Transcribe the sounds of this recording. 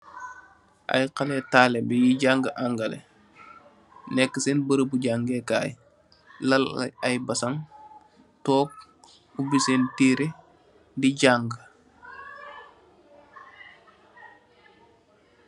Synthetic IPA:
ʔa̰jqɐlɛtaːlɛbɛjiɟaŋɡəʔaŋɡɐlḛ | nɛkːəsenbəɾəbuɟaŋɡekaːj | lɐl̰ɐjbɐsɐŋ | tɔːk̚ | ubisentiːɾe | diɟaŋɡə

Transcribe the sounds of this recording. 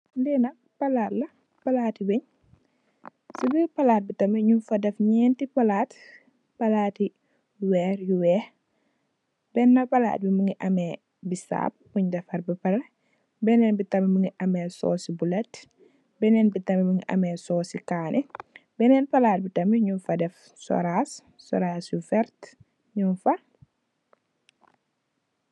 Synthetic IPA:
ndɛnɐk̚ | pɐlaːtlɐ | pɐlaːtiwɛɲ | sibipɐlaːt̚bitɐmɛɲumfɐdɐfɲɛːntipɐlaːt | pɐlaːti | wɛːɾjuwɛːh | bɛnːɐpɐla̰ːt̚bimuŋɡiʔɐmɛ | bisa̰ːb̚uɲdɐfɐɾbipɐɾɐ | bɛnɛnbitɐmimuŋiʔɐmɛːsɔ̰ːsibulɐt | bɛnɛnbitɐmimuŋiʔɐ̰mɛsɔːsikaːnʔɛbɛnɛnpɐlaːt̚bitɐmiɲunfɐdɛf | sɔ̰ɾas | sɔ̰ɾaːsjufɛɾt | ɲunfɐ

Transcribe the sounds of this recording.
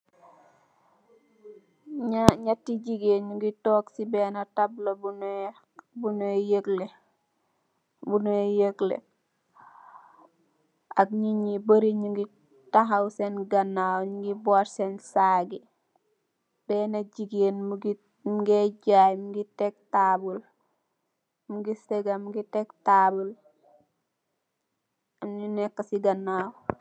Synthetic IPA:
ɲaɲatːiɟiɡeːnɲuɡitɔːksibɛːnɐtablobun | bunojəɡle | bunojəklḛ | akɲiɲibəɾiɲuɡi | taɦawsenɡɐnːaːwɲiɡibɔɾsensaːɡi | b̥ɛnɐɟiɡeːnmuɡi | muɡeɟajmuɡitɛk̚taːbul | muɡiseɡɐmuɡitɛktabul | mɲinɛkːɐsiɡɐnːaw

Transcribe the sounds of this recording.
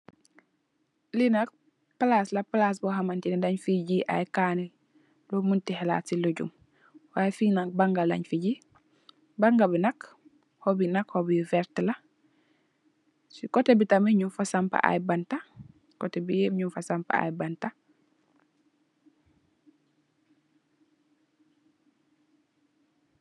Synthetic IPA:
linak̚ | palaslɐpalaːs̬bɔɦamantinadaɲfiɟiʔa̰jkaːni | lomuntiɦɛla̰ːtsiloɟṵm | waːjefinak̚baŋɡala̰ɲfiɟi | baŋɡabinak | hɔbinakhɔbifɛɾtlɐ | sikɔtebitameɲufasampa̰ʔa̰jbanta | kɔtebijeɲufasampa̰a̰jbanta

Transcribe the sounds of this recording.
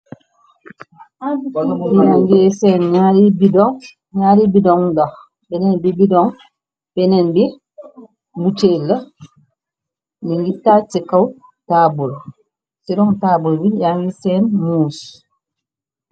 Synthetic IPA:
abijaŋɡesɛnɲaɾibidɔŋ | ɲaɾibidɔŋda | bɛnɛnbibidɔŋ | b̥ɛnɛnbi | mutelːə | niŋɡitat͡ʃikaw | taːbul | siɾɔŋtaːbulbijaŋɡisɛːnmus

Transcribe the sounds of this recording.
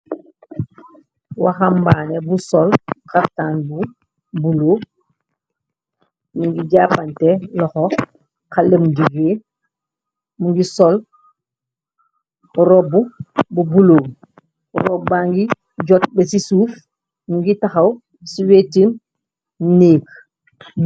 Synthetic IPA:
wa̰xambanɛbusɔlkaftaːnbu | buloː | muŋɡiɟaːpantɛlɔxɔ | kaləmd͡ʒuɡeː | muŋɡisɔl | ɾɔbububuloː | ɾɔbaŋɡi | ɟɔt̚bɛsisuːf | muŋɡitaxɐw | siweːtim | neːk

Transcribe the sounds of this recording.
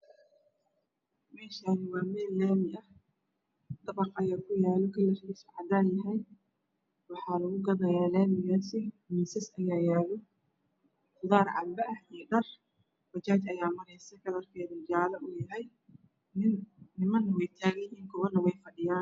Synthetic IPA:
mɛːʃaːnɪwɑːmɛːlːɛːmɪʔɐh | d̪̥ɐβɑqɐjaːkʰʊjaːlɔkʰɐlːɐrkisʊʕɑd̪aːjɐɦɛj | wɑħɑːlɐɣʊɡɐðɐjaːlɛːmɪɣaːsɪ | mɪsɐsɐjaːjɛːlɔ | χʊðɑːrʕɑ̰bɐʔɐhijɖɐr | fɐt͡ʃaːt͡ʃɐjaːmɐɾɛjsɛjkɐðɐrkʰɛːðʊd͡ʒaːlɐʔʊjɐɦɛj | nɪmɐnwɛjt̪ʰaːɣɐjiːŋkʰʊβɐnːɐwɛjfɐɖɪjaːn

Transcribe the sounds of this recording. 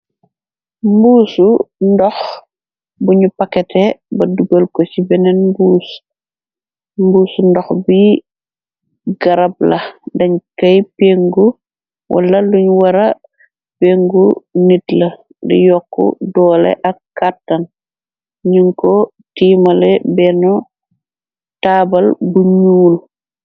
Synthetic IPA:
mbuːsundɔx | buɲupɐkːɛtɛbɐduɡɐlkɔsibɛnɛnmbuːs | mbuːsundɔxbi | ɡɐɾɐb̚lɐdɐɲkɐjpeːŋɡu | wʔɐ̰lɐluɲwɐɾɐ | peːŋɡunitlɐ | dḭjɔkːɔ̰dɔːlɛ̰ʔɐkːatːɐn | ɲuŋkɔ | tiːmɐlɛbɛnɔ | taːbɐlbuɲuːl

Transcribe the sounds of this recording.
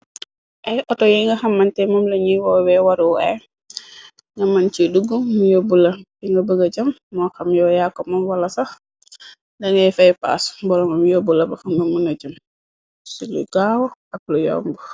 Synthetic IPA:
ʔɛjʔɔtɔjɛŋɡɐxɐmːɐntɛmɔmlɐɲiwɔːwɛwɐɾuwɛ | ŋɡɐmɐnt͡ʃiduɡumujobulɐbiŋɡɐbəɡɐɟɐmːɔxɐmjɔːjaːkːɔmɐmwɐlɐsɐx | ndɐŋɡɐjfɐjpa̰ːsbɔɾɔmɐmjobulɐbɐxɐmɡɐmunɐɟɐm | silṵɡaːwʔɐk̚lujɔ̰ːmbu

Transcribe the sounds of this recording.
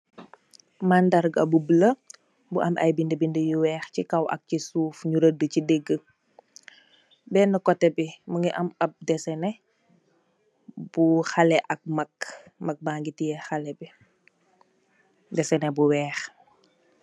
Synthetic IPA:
maːndɐɾɡɐ̰bubələ | buʔɐ̰mʔɐ̰jbindəbindəjuwɛːxcikɐwʔɐ̰k̚cisuːfɲuɾədəcideɡːə | bɛːnəkɔtːɛbimuŋɡiʔɐmɐp̚dɛsɛnɛ | b̥uxɐlɛʔɐk̚mɐk | mɐk̚maːŋɡitijɛxɐlɛbi | dɛsɛnɛbuwɛːx

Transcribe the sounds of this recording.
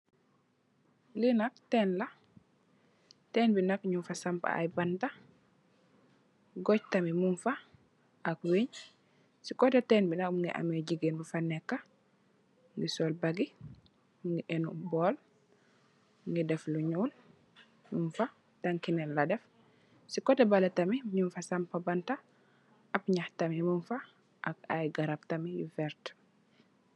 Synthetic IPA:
linak̚tɛnla | tɛːnbinakɲunfasampa̰a̰jbanta | ɡɔc̚tamimuɱfa | ʔakweɲ | sikɔtatɛnbinakmuŋɡḭʔa̰meɟiɡenbufanːɛkːa | ŋɡisɔːlbaɡi | ŋɡiʔenubɔːl | ŋɡidɛfluɲuːl | mumfa | taŋkinɛnladɛf | sikɔtɛbalatamiɲunfasampabanta | apɲaxtamimunfa | ʔaka̰jɡaɾab̚tamijufɛɾt

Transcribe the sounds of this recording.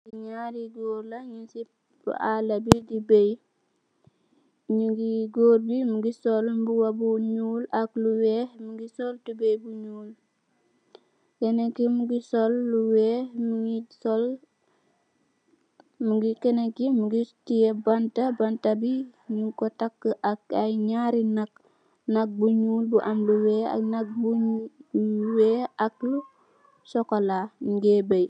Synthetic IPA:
ɡiɲaːɾiɡoːɾlɐɲusip̚ | bṵʔalɐbidibej | ɲuɡiɡoːɾbimuɡisɔlmbuwabuɲuːlakluwɛhmuɡisɔltubɛjbuɲuːl | kɛnekimuɡisɔlːuwɛːhmuŋisɔl | muɡikenekimuɡitijebantabantabiɲukotakːəʔakajɲaɾinak̚ | nak̚buɲuːlbuʔamluweːa̰nak̚bu | weːak̚lu | sɔkolamuɡebej

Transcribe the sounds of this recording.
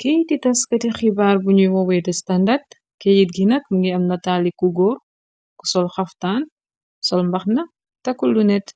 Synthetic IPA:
kejtitɐskɐtixibaːrbuɲujwɔwɛtɐstɐndɐrd̚ | kejit̚ɡinɐt̚mɐŋɡiɐmnɐtaːlikuɡɔːr | ku̥sɔlxɐftaːn | ku̥sɔlmbɐxnɐ | tɐkːulunɛt

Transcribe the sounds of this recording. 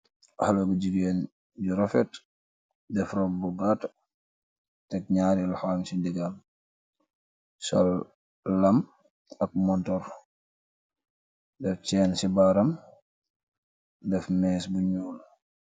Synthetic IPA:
haloɡuɟiɡeːn | ɟiɾɔfɛt | dɛfrɔkbuɡat | tɛk̚ɲaːɾilhaːnsindiɡal | sɔl | lɐm | ɐk̚mɔntɔɾ | dɛft͡ʃɛːnsibaɾɐm | dɛfnɛːsbuɲɔːl

